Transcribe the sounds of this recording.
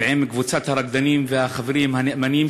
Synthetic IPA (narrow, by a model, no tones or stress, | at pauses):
ʕemkvut͡sat̪haɾaɡ̚d̪animveaχaveɾimhaneʔmanim